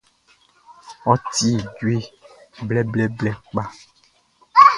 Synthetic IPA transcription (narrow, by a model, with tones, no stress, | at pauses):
ɔ˦ti˦˨d͡ʒwe˦blɛ˦blɛ˦blɛ˦k͡pa˦